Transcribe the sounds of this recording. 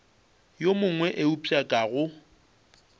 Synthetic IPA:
jomʊŋwɛʔeupʼakʼaɣʊ

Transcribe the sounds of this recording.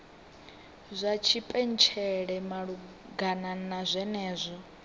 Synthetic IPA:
zʷat͡ʃʰipʼɛnt͡ʃʰɛɺɛmaɺu | ɡananazʷɛnɛːzʷɔ

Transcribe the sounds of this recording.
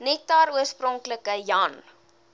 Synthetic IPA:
nɛtɑːɾuərsprɔŋkləkəjɑn

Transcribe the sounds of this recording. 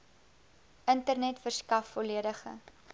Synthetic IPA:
ʔəntərnɛtfərskɐfːɔliədəχə̰

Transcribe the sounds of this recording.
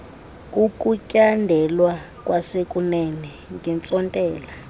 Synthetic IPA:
ukʼucʼandʱɛlwa | kʼwasekʼunɛnɛ | ŋɡɛnt͡sʼɔntʼɛːla

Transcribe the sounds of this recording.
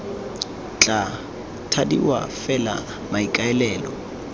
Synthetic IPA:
t͡ɬʼa | tʰadiwa̰fɛla̰ | maikʼaɛlɛːlɔ̰

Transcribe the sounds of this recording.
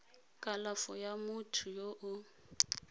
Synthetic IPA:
kʼalafɔjamʊtʰujoʔʊ

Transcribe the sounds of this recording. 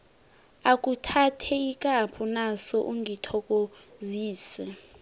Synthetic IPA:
akʼutʰatʰɛikʼapʰunasɔʔuŋʱitʰɔk̬ʼoziːsɛ

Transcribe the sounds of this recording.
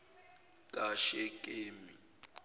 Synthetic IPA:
kʼaʃɛkʼeːmi

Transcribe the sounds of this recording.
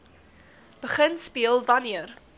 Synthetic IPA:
b̥əχənspiəlˠvɐniər

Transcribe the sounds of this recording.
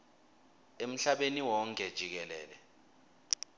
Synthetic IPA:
em̩ɬaɓeniwɔŋkʼɛd̥ʒ̥ʱik̬ɛlɛ̰ːlɛ

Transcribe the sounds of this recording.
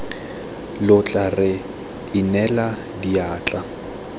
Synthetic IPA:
lʊt͡ɬʼarɪ | ɪnɛla | diaːt͡ɬʼa

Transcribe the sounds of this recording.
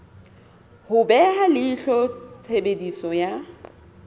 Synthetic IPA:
hʊbɛɦalɪːɬɔt͡sʰebedisɔja

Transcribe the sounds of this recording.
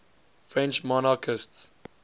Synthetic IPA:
fɹɛ̃nt͡ʃmɔnakʰɪsts

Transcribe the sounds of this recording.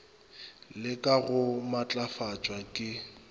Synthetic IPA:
lɪkʼaɣʊmat͡ɬʼafat͡ʃʼwakʼɪ

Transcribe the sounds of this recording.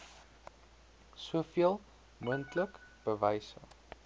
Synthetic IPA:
suəfiəlˠ | muəntləkb̥əvɛjsə̰

